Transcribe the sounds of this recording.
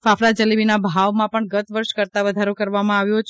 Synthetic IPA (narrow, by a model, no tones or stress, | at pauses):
fafɾad͡ʒəliʋinabʱaʋmãpəɳɡət̪ʋəɾʃkəɾt̪aʋəd̪ʱaɾokəɾʋamãaʋjot͡ʃʰ